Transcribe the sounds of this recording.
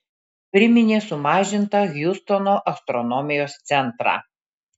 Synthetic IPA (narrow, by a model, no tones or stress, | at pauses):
pʲɾʲɪmʲɪnʲeːsʊmɑːʒʲɪnt̪ɐɣʲjʊst̪ɔnoːʔɐst̪ɾɔnɔmʲɪjoːst̪sʲɛnˑt̪ɾɑ̰ː